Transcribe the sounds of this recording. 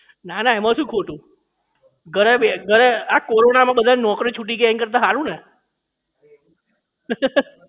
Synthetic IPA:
nanaɛmãʃũːkʰoʈũ | ɡʱəɾebeɡʱəɾeakoɾonamãbəd̪ʱannɔkɾit͡ʃʰuʈ̬ikeɛ̃ŋkəɾt̪ãɦaɾũne

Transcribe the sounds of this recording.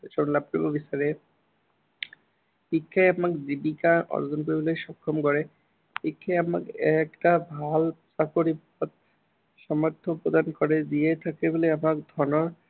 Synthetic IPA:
ʃonlapːɾibobisaɾe | ikʰːaeamakd͡ʑibikaʔɔ̰ɾd͡ʑonpoboleʃɔkʰːomkɔɾe | ikʰːaeama̰kɛkʈabʱalsakoɾip | ɔt̪̚ | ʃɔmaɾt̪ʰːopɾod̪ankoɾed̪ijet̪ʰakeboleamakd̪ʱɔnoɾ

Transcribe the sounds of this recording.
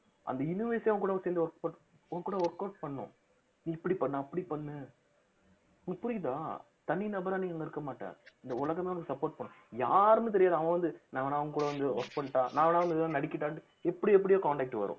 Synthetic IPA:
ʔɐ̰nd̪ɐɪnɯʋeːsijaːʋɐ̃ŋɡkuːɽɐʋseːnd̪ɯʋɔɾkpoɾʈ | ɐʋɡkːuːɽɐɔɾkːaːɾʈ̚pɐɳːʊ̰̃ | nĩɪpːɐɽipɐɳːãːɐpːɐɽipɐɳːɯ | ʊŋɡɐpʊɾɪɣðã̰ː | t̪ɐnːinɐbɐɾaːniːŋɐŋɡɐɪɾɯkːɐmaːʈːa̰ːɾɪnd̪ɐʊɭɐɣɐmeːɔnɐkːɯsɐpːoːɾʈ̚pɐɳːʊ̃ | ja̰ːɾɯnɯ̃t̪̬ɛɾɪjaːðɐʋɐ̃ʋɐnd̪ɯnãːʋɐnaːɐʋɐŋɡɐkuːɽɐʋɐnd̪ɯɔ̰ɾkpɐɳʈːãːnãːʋɐnaːʋɐnd̪ɯãːnɐɽɪkʲːɪʈːaːʈːɯ | ɛpːɐɽɪɛpːɐɽɪjoːkaːɳʈɛːk̚ʈːɯʋɐ̰ɾʊ̰̃

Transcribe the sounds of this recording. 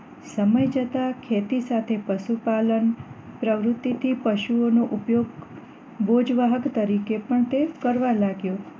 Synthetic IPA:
səməjd͡ʒət̪akʰet̪isat̪ʰepəʃupalənpɾəʋɾʊt̪ːit̪ʰipəʃuonoʔupjoɡ | bod͡ʒʋaɦəkt̪əɾikepəɳt̪ekəɾʋalaɡjo

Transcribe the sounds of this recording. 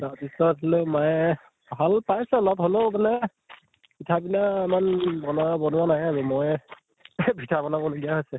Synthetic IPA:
datisɔt̚ʰilomaj | bʱalpajsɛlɔtɦolobanɛ | bitʰabinaimanbɔnabɔnʊwanaɦɛazɛmɔj | bʱitʰabɔnabɔluɡiaɦojsɛ

